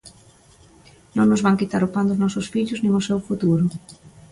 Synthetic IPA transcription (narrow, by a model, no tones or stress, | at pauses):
nõŋnʊzβaŋkit̪aɾʊpand̪ʊznɔsʊsfiʎʊznĩŋʊsewfut̪uɾʊ